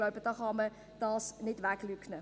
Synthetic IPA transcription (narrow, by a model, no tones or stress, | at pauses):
loʊbəd̥ɑːχɑmə | d̥ɑːsnɪd̥ʋæklyknə